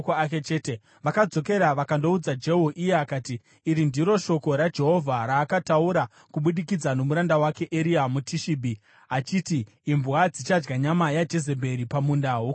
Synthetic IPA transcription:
koaket͡ʃeːte | ʋakad͡zo̞ke̞ɾaʋakando̞ud͡zad͡ʒe̞ɦuʔijeakaːtiː | ɾindiɾo̞ʃo̞ko̞ɾad͡ʒe̞ɦo̞vʱaɾaːkatauɾa | kuɓuɗikid͡zano̞muɾandawake̞ʔeɾiamutʰiʃibʱi | at͡ʃitiː | mbuwad͡zit͡ʃad͡ʒɡaɲamajad͡ʒe̞ze̞bʱe̞ɾipamundaɦu

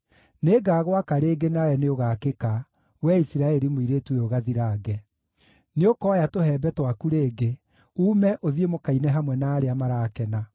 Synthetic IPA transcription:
neːɡaːɣwakaɾeːɡenajɛneoɣaːkeka | wɛisiɾaɛɾimoiɾeːtweoɣaðiɾaːɡɛ | neokɔːjatoɦɛːbɛtwakuɾeːɡe | uːmɛʔoðiemokainɛɦamwɛnaːɾeamaɾaːkɛna

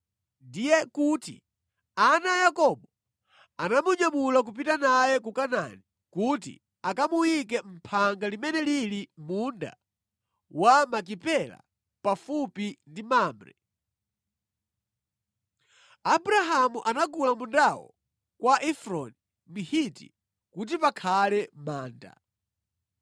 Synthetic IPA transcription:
ndijɛkutḭ | anajakɔɓɔ | anamuɲamulak̬up̬itanajɛk̬ukana̰ni | kutḭ | akamuwik̬ɛm̩pʰaŋɡalimɛnɛlilimunda̰ | wamak̬ipɛla̰ | pafupindimaːmbɾɛ̰ | abɾaɦamuʔanaɡulamundawɔ̰ | kwaʔɛfɾɔ̰ni | mihitḭ | kut̬ipakʰalɛmaːnda̰

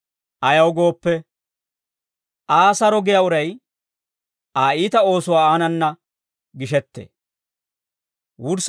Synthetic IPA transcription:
ʔɐjɐwɡo̞ːpːɛ | ʔaːsɐɾɔɡɪjaʊɾɐj | aːiːt̪ɐo̞ːsʊwaːaːnɐnːɐ | ɡɪʃɛt̪ːḛː | wʊɾs

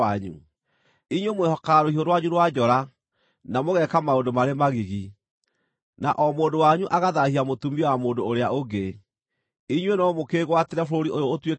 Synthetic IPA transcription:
aɲṵ | iɲwemwehɔkaɾohiɦoɾwaɲuɾwad͡ʑɔɾa | namoɣɛkamaondomaɾemaɣiɣi | naʔɔmoːndowaɲuʔaɣaðahiamotumiɔwamoːndoːɾeaoɡe | iɲwenɔmokeɣwateɾɛfooɾiojoːtwe

